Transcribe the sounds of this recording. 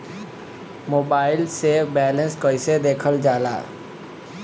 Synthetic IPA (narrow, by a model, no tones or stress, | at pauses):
moːbaːɪlseːbɛːlənskəɪseːd̪eːkʰəld͡ʒaːla̰ː